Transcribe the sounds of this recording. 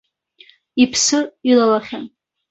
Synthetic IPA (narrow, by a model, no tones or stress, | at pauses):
ipʰsɨilalaχʲan